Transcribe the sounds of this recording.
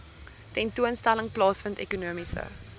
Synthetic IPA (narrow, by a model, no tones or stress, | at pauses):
tɛntuənstæləŋplɑːsfəntɛkunuəmisə̰